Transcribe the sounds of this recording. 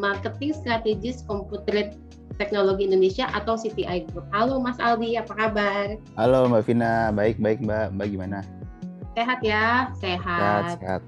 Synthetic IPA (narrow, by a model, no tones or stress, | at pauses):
markət̪ɪŋst̪ɾat̪eɡɪskɔmput̪ɾɪt̪ː | ɛk̚noloɡiːndonesiaʔat̪awsit̪iʔajɡɾup̚halomasaldiapakabar | halomafinabaɪk̚baɪk̚mbambaɡimanaseɦat̪jaseɦaat̪ea̰t̪̚